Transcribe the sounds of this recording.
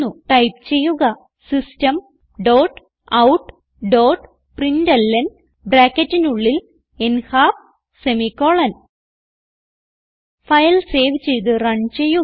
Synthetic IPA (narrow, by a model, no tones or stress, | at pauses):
uʈɐjp̚t͡ɕe̞jːuɣɐ | sistɐm | ɖoːʈ | ɐwʈ | ɖoːʈ | prindɐlːɐn | bɾaːkːɐtːinuɭːil | enhaːf | semikːo̞ːɭɐn | fɐjlse̞ːʋt͡ɕe̞jt̪̬ɨrɐɳt͡ɕe̞jːu